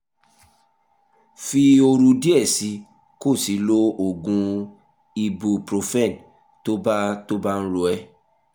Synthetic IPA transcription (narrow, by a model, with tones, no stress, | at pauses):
fi˧o˧ɾũ˧di˦ɛ˦˨si˨˧˦ | ko˦˨si˨˦lo˦o˦˨ɡũ˧ | i˧bu˧pɾo˧fɛ˦˨n | to˦ba˦to˦ba˦ñ̩˦ɾo˧ɛ˧